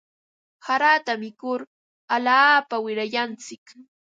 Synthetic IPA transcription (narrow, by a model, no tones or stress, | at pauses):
haɾaːt̪amɪkʊɾ | alaːpawɪɾajant͡sɪk